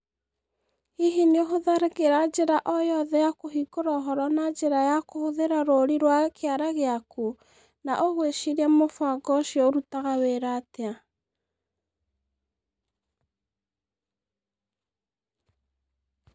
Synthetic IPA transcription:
hiɦineoɦoðaɾekeɾad͡ʒeɾaʔɔjɔðɛjakoɦikoɾaːɦɔɾɔnad͡ʒeɾajakohoðeɾaɾoɾiɾwakeaɾaɣeaku | naʔoɣweʃiɾiɛmofwaɡɔʃjɔoɾutaɣaweɾatea

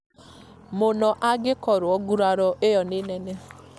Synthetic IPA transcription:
mʊnɔʔaɡɪkɔɾʊɔɡuɾaɾɔʔejɔnɪnɛnɛ

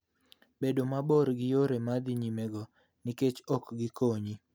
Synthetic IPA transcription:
bedomaboɾɡɪjoɾemad̪iɲimɛɡɔ | nɪket͡ʃɔkɡɪkoɲi

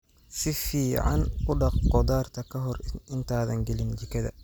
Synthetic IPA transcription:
sɪfiːʕɑ̰nkʊɖɑqqɔdaːrt̪ʰɐkʰɐɦɔrɪnt̪ʰaːðɐŋɡɛlɪnd͡ʒɪkʰɐðɐ̰

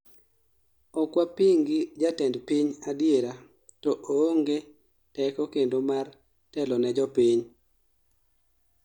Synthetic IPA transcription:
ɔkwapiŋɡid͡ʒatɛndpiɲadjeɾa | tɔʔooŋɡe | tɛkɔkendomar | tɛlɔnɛd͡ʒɔpiɲ

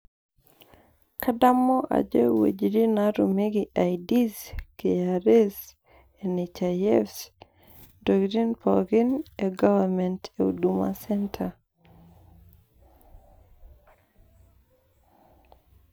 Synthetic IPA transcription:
kadamːɔʔa̰d͡ʒɛwḛd͡ʒiɾinaɾumiɡiʔajdiskeaɾes | enet͡ʃajɛfs | dɔkɾinpʰɔɡineɡavamɛnteṵduma̰sɛntʰa

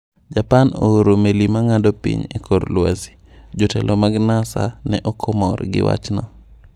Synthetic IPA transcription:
d͡ʒapanooɾomelimaŋadopḭɲekʰoɾlwasi̥ | d͡ʒotɛlʔomaɡnasa̰nɛʔɔkʰomɔrɡɪwa̰t͡ʃnɔ

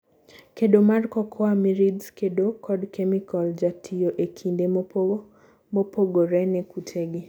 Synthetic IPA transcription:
keɗomarkɔkʰɔamiɾidzkedokʰɔdkʰɛmikɔld͡ʒatʰioʔekʰinde | mopoɡoɾɛnɛkʰutʰeɡi

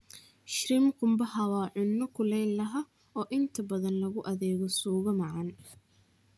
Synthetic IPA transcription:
ʃɾɪmkʊmbɐhɐwaːʕʊnːɔkʰʊlɛjnlɐɦɐ | ɔːʔɪnt̪ʰɐbɐðɐnlɐɣʊʔɐðɛːɣɔsuːɣɐmɑʕɑn

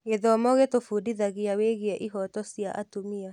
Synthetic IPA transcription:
eðɔmɔɣetofuːdiðaɣiaweːɣiɛʔiɦɔtɔsjaʔa̰tumia

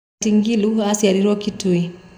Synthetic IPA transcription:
tiŋɡiluasialiɾɔkitui

